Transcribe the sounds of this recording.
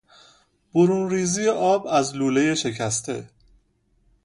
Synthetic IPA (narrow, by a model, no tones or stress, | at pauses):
b̥oɾuːnriːziːjeʔɒːbæzluːle̞je̞ʃe̞cʰæst̪ʰe̞̰